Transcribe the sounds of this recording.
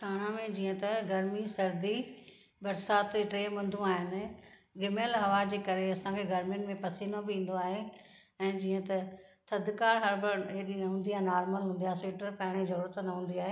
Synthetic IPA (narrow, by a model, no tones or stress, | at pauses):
ʈʰaːɽ̃amẽd͡ʑiːə̃t̪ɐɡɐɾmisɐɾd̪i | bɐɾsaːt̪ʈɾeːmɐ̃nd̪ʱũaːɦɪnɪ̆ | ɡɪməlɦɐʋaːd͡ʑeːkɐɾeɐsãkʰeɡɐɾmɪ̃mẽpɐsiːnobɪĩːn̆d̪oaːɦe | ɛ̃ːd͡ʑiːə̃t̪ɐ | t̪ʰɐd̪kaːɾɦɐɾbɐɾeːɗinɐɦːnd̪iaːɦenaːɾməlɦũːnd̪ijaːɦseːʈəɾpɐɦɪɽ̃izɐɾuːɾət̪nɐɦũːn̆d̪iaːɦe